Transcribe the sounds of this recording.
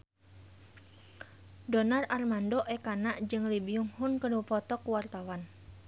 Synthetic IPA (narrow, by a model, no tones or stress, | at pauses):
dɔnararmandɔʔɛkanaʔd͡ʒɨŋlibiuŋhʊnkənupɔt̪ɔkuwart̪awan